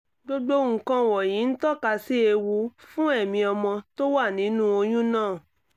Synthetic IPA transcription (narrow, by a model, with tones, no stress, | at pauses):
ɡ͡bo˦ɡ͡bo˦ŋ̩˨kã˧˨wɔ˨jĩ˨˦n̩˦tɔ˦˨ka˧si˦e˧wu˧fũ˦ɛ˦˨mĩ˧ɔ˧mɔ̃˧to˦wa˦˨nĩ˨˦nũ˦o˧j̃ũ˦nãː˦˨